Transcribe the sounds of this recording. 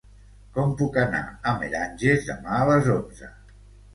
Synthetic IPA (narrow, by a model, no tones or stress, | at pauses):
kɔmpukana̰əmḛɾanʲʒezðə̰maələzonzə̰